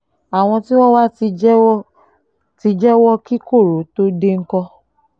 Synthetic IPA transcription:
a˨w̃ɔ̃˧ti˦w̃ɔ̃˦wa˦i˧˦ | ti˧d͡ʒɛ˦wɔ˦ki˦ko˦˨ɾo˨˦to˦de˦ŋ̩˦kɔ˧

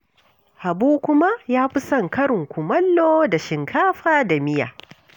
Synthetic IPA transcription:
ha˨buː˦kʷʊ˦ma˦jaː˦ɸɪ˦sɐ˦˨ŋkɐ˦ɽɪ˨ŋkʷʊ˨mɐ˦lːoː˦da˨ʃɪ˨ŋkʰaː˦ɸaː˦da˨mɪ˦ja̰ː˨

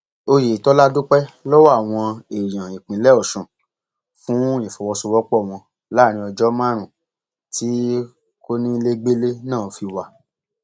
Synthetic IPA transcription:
o˧je˨tɔ˨˦la˦du˦k͡pɛ˦lɔ˦wa˦˨w̃ɔ̃˧e˨j̃ã˨i˨k͡pĩ˨˦lɛ˦ɔ˦˨ʃũ˨ | fũ˦e˨fɔ˨wɔ˧su˧wɔ˦k͡pɔ˦˨w̃ɔ̃˧ | la˦˨ñĩ˧ɔ˧d͡ʒɔ˦mã˦ɾ̃ũ˨ | ti˦ | ko˦nĩ˦˧le˦ɡ͡be˦le˦nãː˦˨fi˧wa˧

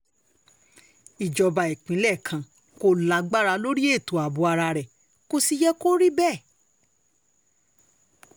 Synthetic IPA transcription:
i˨d͡ʒɔ˧ba˨i˨k͡pĩ˨˦lɛ˦˨kʰã˨ | ko˧la˨˧ɡ͡ba˦ɾa˧lo˦ɾi˦e˦˨to˨a˨bo˧˦a˧ɾa˧ɾɛ˨ | ko˧si˧jɛ˦ko˦ɾi˦bɛ˦˨

